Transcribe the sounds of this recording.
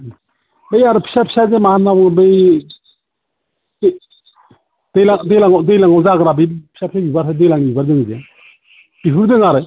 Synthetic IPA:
bejaɾɯpʰi̥sapʰi̥sazemaanabɔŋbɯj | d̥ejlaŋdejlaŋɔdɯjlaŋɔzaɡɾabɯjpʰi̥sapʰisabibaɾʰadɯjlaŋbibaɾdɯŋze | b̥ipʰuɾdɯŋaɾɯ

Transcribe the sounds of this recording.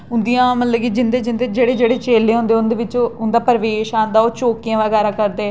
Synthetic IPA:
ʊnd̪ijãːməlləɡid͡ʒɪnd̪eːd͡ʒɪnd̪eːd͡ʒeːɽeːd͡ʒeːɽeːt͡ʃeːlːeːɦõːnd̪eːʊnd̪eːʋɪt͡ʃːʊnd̪aːpəɾəʋeːʃaːnd̪aːoːt͡ʃoːkijãːʋəɡɛːɾaːkəɾd̪eː

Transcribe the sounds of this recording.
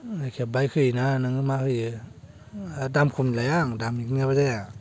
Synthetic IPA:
ajkʰep̚bajkʰɯjinanaŋɯmakʰɯjɯ | damkʰumnilajaŋdamiknɯbazea

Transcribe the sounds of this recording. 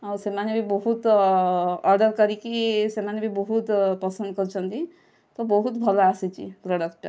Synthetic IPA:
awsemanebʱibɔɦut̪ | ɔɾɖəɾkəɾikisemanebʱibɔɦut̪pəsənd̪̚kəɾt͡ʃʰənt̪i | t̪ɔbɔɦut̪bʱɐlaasit͡ʃḭpɾoɽəkʈ

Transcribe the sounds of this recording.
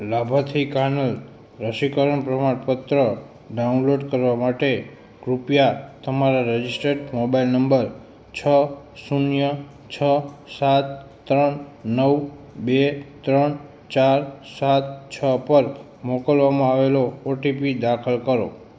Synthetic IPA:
labʱat̪ʰikaɾnəl | ɾəʃikəɾəɳpɾəmaɽpət̪ɾə | ɖaunloɖkəɾʋamaʈe | ɡɾupjat̪əmaɾaɾed͡ʒisʈəɖmobailnəmbəɾ | t͡ʃʰə | sunjə | t͡ʃʰəsat̪ː | ɾəɳnəwbet̪ɾəɳ | t͡ʃaɾsat̪̚t͡ʃʰəpəɾ | mokəlʋamãaʋelooʈipid̪akʰəlkəɾo

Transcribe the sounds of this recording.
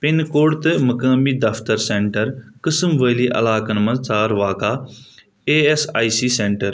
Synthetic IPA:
pɪnkoːɽt̪ɨmɐkaːmiːd̪ɐft̪əɾseːɳʈəɾkəsmʋəːliːʔɐ̰laːkɐnmɐ̃t͡saːɾʋaːkaː | eːesaːisiːsẽːɳʈəɾ

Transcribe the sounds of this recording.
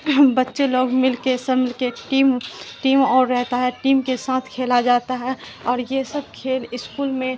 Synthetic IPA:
bətːʃeloːɡmɪlkesəmɪlkeʈiːmʈiːmɔːɾːɛɦt̪aɦɛʈiːmkesãːt̪ʰkʰeːlad͡ʒaːt̪aɦɛ | ɔːɾjesəb̚kʰeːlɪskuːlmẽ

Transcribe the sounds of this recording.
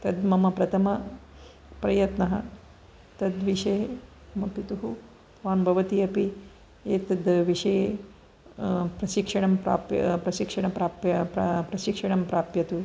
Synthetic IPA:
t̪ɐd̪mɐmɐpɾɐt̪ʰɐmɐ | pɾɐjɐt̪nɐɦɐ̰ | t̪ɐd̪ʋiʂeː | ɐmɐpit̪uɦu | t̪ʋaːnbʱɐʋɐt̪iɐpi | eːt̪ɐd̪ʋiʂɐje | pɾɐʃikʂɐɳɐmpɾa̰ːpj̰pɾɐʃikʂɐɳɐpɾaːpjɐpɾɐʃikʂɐɳɐmpɾaːpjɐt̪u

